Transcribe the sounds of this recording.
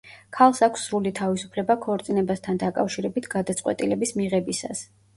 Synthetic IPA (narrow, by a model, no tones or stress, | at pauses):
kʰalˠsakʷʰsːɾulit̪ʰavisu̥pʰlɛbakʰɔɾt̪sʼinɛbast̪ʰand̪akʼafʃiɾɛbit̪ʰɡad̪at̪sʼqʼwɛ̰t̪ʼilɛbismiʁɛbisa̰s